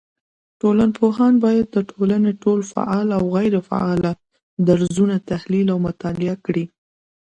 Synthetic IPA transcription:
ʈolanpʰoɦɑnbɑjad̪̚ːəʈʰolaneʈolfa̰ʔɑlawɣajɾefa̰ɑla | d̪aɾzunat̪ahlilawmʊt̪ɑlɪakɽi

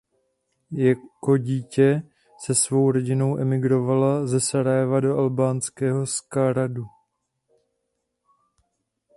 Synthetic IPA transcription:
jako̞ɟiːcɛ | sɛsvo̞wɾo̞ɟɪno̞wʔɛmɪɡɾo̞valazɛsaɾajɛvado̞ʔalbaːnskɛːɦo̞skaɾadu

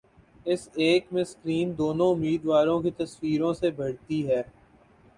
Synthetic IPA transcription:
ɪseːkmẽskɾiːnd̪oːnõʊmiːd̪ʋaːɾõkit̪ɐswiːɾõsebɐɽt̪iɦɛː

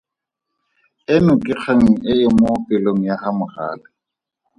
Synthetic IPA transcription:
ɪnʊkʼɪk͡xʰeŋ̩ɪɪmopɪloŋ̩jahamʊχa̰ːlɪ

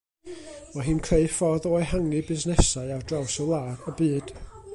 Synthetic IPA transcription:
mɔɦɨːnkʰreɨfɔðɔːjhaŋɨbɪznɛsaɨardrawsɔlˠaːɾəbɨːd̥

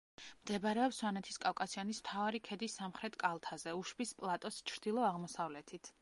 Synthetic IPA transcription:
md̪̥ɛbɾɛɔpswanɛt̪ʰi̥skʼavkʼasianismt̪ʰavaɾikʰɛd̪isamχɾɛt̪ʰkʼalˠt̪ʰazɛuʃbispʼlˠat̪ʼɔst͡ʃʰɾd̪ilˠɔaʁmɔsavlɛt̪ʰit̪ʰ

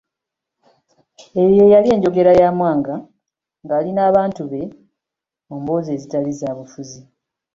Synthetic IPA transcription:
e̞jje̞jalie̞ːɲɟo̞ɡe̞ɾajaːmwaːŋɡa | ŋɡaːlinaːβaːntuβe̞ | mumbo̞ːzeːzitalizaːβufuzi

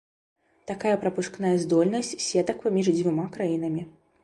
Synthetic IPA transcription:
t̪akajɐpɾɐpuʂknajɐzd̪ɔlʲnɐsʲt͡sʲsʲɛt̪ɐkpamʲiʐd͡zʲvʲumakɾajinɐmʲi

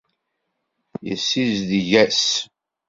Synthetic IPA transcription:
jə̰sːizðʝæs

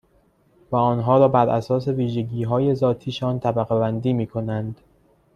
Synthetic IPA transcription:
væɒːnɦɒːɾɒːbæɾʔæsɒːse̞viːʒeɟiːɦɒːje̞zɒːt̪ʰiːʃɒːnt̪ʰæbæɣebænd̪iːmiːkʰo̞nænd̪̥

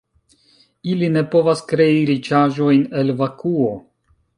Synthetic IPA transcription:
iline̞po̞vaskɾe̞iɾit͡ʃaʒo̞jne̞lvakuo̞

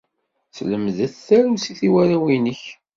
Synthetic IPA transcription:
θləmðæθθæɾusiθiwæɾawinəç

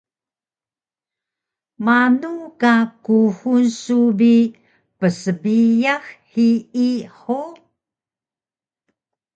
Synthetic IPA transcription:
manukakuhunsubi | pəsəbijaxhiiħo

